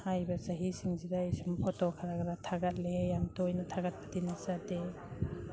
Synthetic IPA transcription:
hajbɐsaɦisiŋzidaisumpʰɔtɔkʰaɾaɡɾatʰaɡat̚lejaŋtojnɐtʰaɡat̚pḁdinasade

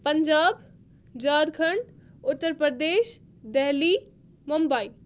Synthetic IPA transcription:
pəɲd͡ʒaːb | d͡ʒaːɾkʰəɳʊt̪ːəɾpɾəɾd̪eːʃ | d̪ɛɦli | mumbai

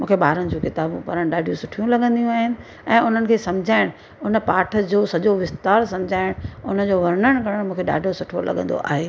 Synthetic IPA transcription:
mũːkʰeɓaːɾəɽ̃̆d͡ʑũkɪt̪aːbũpɐɾəɽ̃ɗaːɖʱijũsʊʈʰijũlɐɠə̃nd̪ijũaːɦɪnɪ̆ | ɛ̃ːʊn̤ənɪ̆kʰeːsɐmd͡ʑʱaːɪɽ̃ | ʊnə̆paːʈʰə̆d͡ʑoːsɐʄoʋɪst̪aːɾsɐ̃md͡ʑʱaːɪɽ̃ʊnə̆d͡ʑoːʋɐɾnəɽ̃kɐɽəɽ̃mũːkʰeɗa̰ːɖʱosʊʈʰo̰lɐ̰ɠə̃n̆d̪o̰ʔa̰ːɦeː

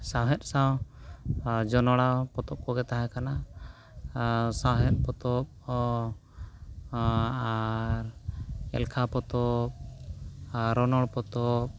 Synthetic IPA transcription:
sãwɦɛt̪̚ˀsaw | d͡ʒɔnɔɽapɔt̪ɔp̚kɔɡɛt̪aɦɛkana | sawɦɛt̪̚ˀpɔt̪ɔp̚ | aɾɛ̰lkʰapɔt̪ɔp̚ | ɾɔnɔɽpɔt̪ɔp̚

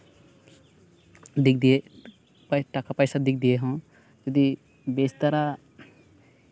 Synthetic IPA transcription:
d̪ikd̪ie | pʈakapajsad̪ik̚ʰd̪ijeɦõ | d͡ʒəd̪i | best̪ɐɾa

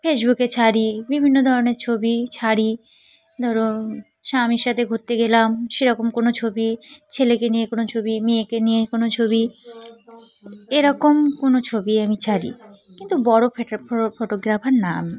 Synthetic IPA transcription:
fesbuket͡ɕʰaɽibibʱinːod̪ʱɔɾoneɾt͡ɕʰobit͡ɕʰaɽi | d̪ʱɔɾo | ʃamiɾʃat̪ʰeɡʱoɾt̪ːeɡelamʃeɾɔkomkonot͡ɕʰobit͡ɕʰelekenijekonot͡ɕʰobimiekenijekonot͡ɕʰobi | eɾɔkomkonot͡ɕʰobiamit͡ɕʰaɽḭ | kint̪ubɔɽofoʈoɡɾafʰaɾna̰mi

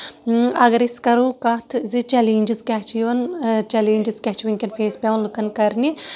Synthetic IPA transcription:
ɐɡɐɾiskɐɾuːkɐt̪ʰzit͡ʃɛleːnʲd͡ʒizkʲat͡ʃʰiʋɐnt͡ʃɛleːnʲd͡ʒizkʲat͡ʃiʋɐnkʲɐnpʰeːspʲeʋɐnlukɐnkɐɾni

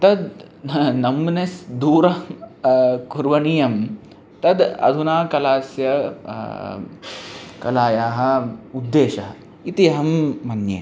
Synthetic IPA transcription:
t̪ɐd̪ | nɐmːnesd̪uːɾɐ | kuɾʋɐɳijɐm | t̪ɐd̪ɐ̰d̪ʱunaːkɐlaːsjɐ | kɐlaːjaːɦɐ̆ud̪ːeːʃɐɦɐ | it̪iɐɦɐmːɐnjḛ

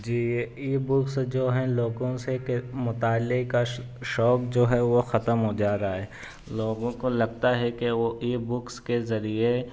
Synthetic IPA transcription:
d͡ʒiːiːbʊksd͡ʒoːɦɛ̃loːɡõsekemʊt̪aːlːɪkka | ʃɔːk̚d͡ʒoːɦɛʋoxɐt̪əmɦod͡ʒaːɾaaɦɛː | loːɡõkolɐɡt̪aɦɛkeʋoʔiːbʊkskezɐɾie

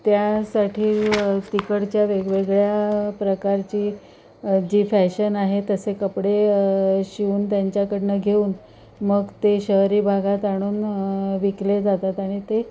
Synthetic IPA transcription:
t̪jasaʈʰiːt̪ikəɽt͡ɕjaʋeɡʋeɡɭjapɾəkaɾt͡ɕiː | d͡ʑiːfæɕənaɦet̪əsekəpɽeɕiuːnt̪jaɲt͡ɕjakəɽnəɡʱeuːn | məɡt̪eɕəɦɾiːbʱaɡat̪aɽ̃uːnʋikled͡zat̪at̪aɽ̃it̪e

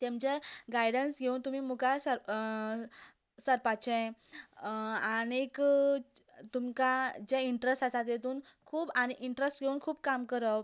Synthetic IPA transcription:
t̪ẽmt͡ɕeɡajɽənsɡʱeuːnt̪um̤iːmukasə | səɾpat͡ɕɛ̃ | añek | t̪umkad͡ʑeiɳʈɾəsʈasat̪̬jet̪uːnkʰuːbañeiɳʈɾəsʈɡʱeuːnkʰuːbkamkəɾə

